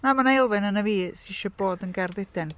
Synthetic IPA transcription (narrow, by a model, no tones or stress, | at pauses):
namanejlˠvɪnənəviːsiʃəblˠoːdənɡɛrðɪdɛn